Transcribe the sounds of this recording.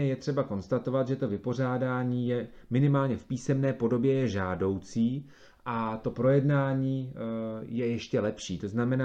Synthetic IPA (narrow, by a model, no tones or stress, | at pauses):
ɛjɛt̪r̝̥ɛbako̞nst̪at̪o̞vat̪ʒɛt̪o̞vɪpo̞r̝aːdaːɲiːjɛ | mɪnɪmaːlɲɛfpiːsɛmnɛːpo̞do̞bjɛjɛʒaːdo̞wt͡siː | ʔat̪o̞pɾo̞jɛdnaːɲiː | jɛjɛʃcɛlɛpʃiːt̪o̞znamɛna